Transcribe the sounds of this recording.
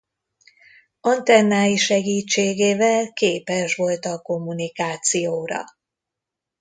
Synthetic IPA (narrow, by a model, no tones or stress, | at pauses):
ɔnt̪ɛnːaːjiʃɛɡiːt͡ʃːeːɡeːvɛlkeːpɛʃʋo̞lt̪ɒko̞mːunikaːt̪sijoːɾɒ̰